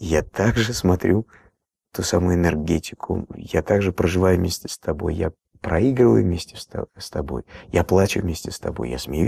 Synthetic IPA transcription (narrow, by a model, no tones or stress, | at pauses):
jat̪aɡʐɨsmɐt̪ɾʲu | t̪usamʊjʊɪnʲɨrɡʲetʲɪ̥kʰʊ̰jat̪aɡʐɨpɾəʐɨvajʊvmʲesʲtʲɪ̥st̪ɐbo̞̰jja̰ | pɾɐiɡɾəvə̰jʊvmʲesʲtʲɪ̥sst̪ɐbo̞̰jjaplˠat͡ɕʊvʲmʲesʲtʲɪst̪ɐbo̞̰jja̰smʲɪju